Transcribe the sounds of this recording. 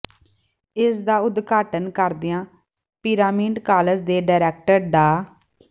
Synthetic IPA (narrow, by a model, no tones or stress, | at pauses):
ɪsd̪aːʊd̪ɡaːʈənkəɾd̪ɪːãː | piːɾaːmiːɖkaːləd͡ʒd̪eːɖaːɾɛːk̚ʈəɾɖaː